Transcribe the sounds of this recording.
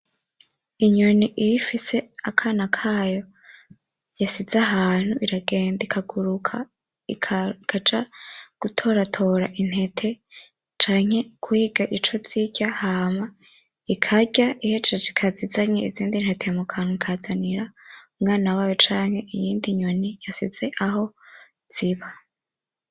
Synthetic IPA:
iɲo̞niʔijifise̞akʰaːnakʰaːjo̞ | jasizaɦaːn̥huʔiɾaɡe̞ːndikʰaɡuɾukʰa̰ | ikʰkʰad͡ʒaɡ̥utʰo̞ːɾatʰo̞ɾa̰ʔin̥he̞tʰe | t͡ʃaːŋ̥he̞kʰuhiɡaʔit͡ʃo̞z̥iɟ̥ahama | ikʰaɟaʔijet͡ʃeikʰazizaɲeiziːndin̥hetʰemukʰanukʰazaniɾaumŋaːnawaːjo̞t͡ʃaːŋhe̞ʔijiːndiɲonijasizeʔaɦo̞ | z̥iβa

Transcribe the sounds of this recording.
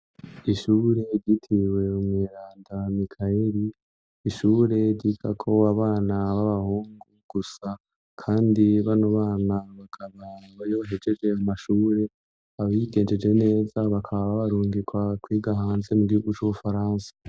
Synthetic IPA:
iʃuːɾe̞ɾɟitʰiwe̞umŋːɾaːndamikʰaeɾiː | ʃuːɾe̞ɾɟiɡakʰo̞aβaːnaβaβahuːŋɡuɡ̥usa | kʰaːndiβanoβaːnaβakʰaβaβaɾjoβaɦed͡ʒe̞d͡ʒe̞amaʃuːɾe̞ | aβiɡe̞ːnd͡ʒe̞d͡ʒwe̞ne̞ːzaβakʰaβaβaβaɾuːŋɡikwakwiːɡaɦaːnze̞muɡihuɡut͡ʃuβufaɾaːnsḁ

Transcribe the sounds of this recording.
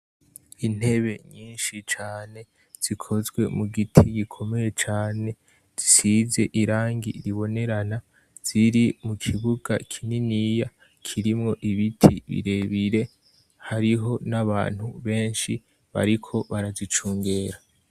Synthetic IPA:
in̥he̞βe̞ɲiːnʃit͡ʃaːne̞ | z̥ikʰo̞zɡwe̞muɡitʰiɡikʰo̞me̞je̞t͡ʃaːne̞ | z̥isize̞ʔiɾaːŋɡḭɾiβo̞ne̞ɾana | z̥iɾimukʰiβuɡakʰininija | kʰiɾimŋo̞ʔiβitʰḭβḭɾe̞βiɾe̞ | haɾiɦo̞naβa̰ːn̥huβe̞ːnʃi | βa̰ɾikʰo̞βaɾazit͡ʃuːŋɡe̞ːɾa

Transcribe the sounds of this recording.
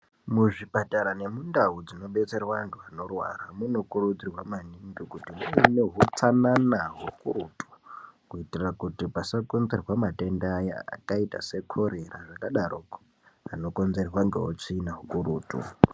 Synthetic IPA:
muʐipataɾane̞mundaud͡zino̞ɓe̞t͡se̞rawaantʰuano̞rwa̰ramuno̞kurud͡zirwamaniŋɡikutimuinoɦut͡sananaɦokuɾutu̥kuitirrakutipasako̞nze̞rwamate̞ndeaja̰a̰kaita̰se̞kʰo̞ɾe̞raʐakaɗaɾok | ano̞ko̞nze̞rwaŋɡeot͡ʂiːnaɦukuɾuːtṵ

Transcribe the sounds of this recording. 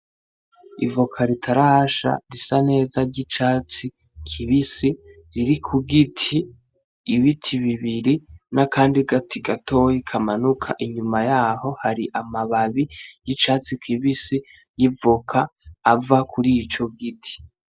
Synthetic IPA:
ḭvokʰaɾitʰaɾaʃa̰ɾisane̞ːzaɾɟit͡ʃaːt͡si | kʰiβisi | ɾiɾikʰuɡitʰiː | βitʰiβiβiɾinakaːndiɡatiɡatʰo̞jikʰamanukʰa̰ʔiɲumajaːho̞haɾiʔamaβaβijit͡ʃaːt͡sikʰiβisi | jivokʰaːvakʰuɾit͡ʃo̞ɡitʰi̥

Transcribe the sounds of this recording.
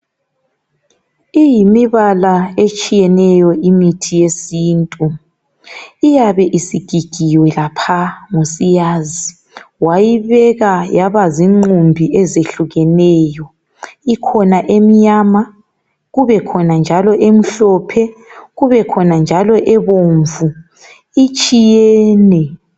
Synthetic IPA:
ijimiβalaet͡ʃʼijɛnɛjɔʔimitʰijesiːntʼu | ijaβɛʔisiɡ̥ʱiɡ̥ʱiwɛlapʰaŋosijaːzi | wajiβɛɣajaβaziŋ͡ǃumbʱiʔɛzeɬuɣɛnɛjɔ | ikʰɔnaʔemiɲaːma | ɣuβɛkʰɔnand͡ʒʱalɔʔem̩ɬɔpʰɛɣuβɛkʰɔnand͡ʒʱalɔʔɛβoːɱvu | it͡ʃʼijɛːnɛ

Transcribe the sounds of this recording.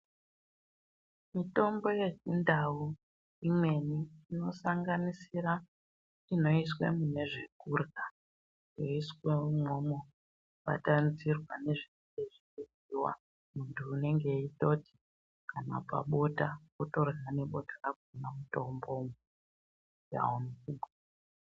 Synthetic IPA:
mito̞mbo̞je̞t͡ʃindʱau | imwe̞niːno̞saŋɡanisiɾa | ino̞iswe̞̰mune̞ʐe̞kuːrɣa | jo̞iswemomo | uɓa̰tanzirwane̞ʐin | eʐikeziwa̰ | muntʰuːne̞ŋɡe̞ito̞ti̥ | kana̰pa̰ɓo̞takoto̞rɣane̞ɓo̞tʰḁraɡ̚ʱunamuto̞mbo̞m | ja̰onukuːɓa

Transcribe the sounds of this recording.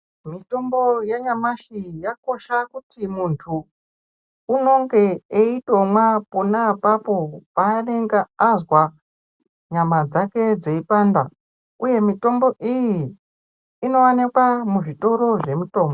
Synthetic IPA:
mito̞mbo̞jeɲamaʃijako̞ʃakutimuntʰuː | no̞ŋɡe̞eitomwaponapapo̞paːneŋɡaːzwa | ɲamad͡zake̞d͡zeipaːnda | uje̞mito̞mbo̞ʔijiː | no̞wanekwamuʐito̞ɾo̞ʐe̞muto̞ːmo

